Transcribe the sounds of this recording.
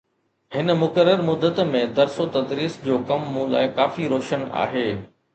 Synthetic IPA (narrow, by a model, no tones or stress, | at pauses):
ɦɪnmʊkəɾːəɾmʊd̪ət̪mẽd̪ɐɾsot̪ɐd̪ɾiːsd͡ʑoːkɐmːũla̰ːɪkaːfiɾoːʃəna̰ːɦeː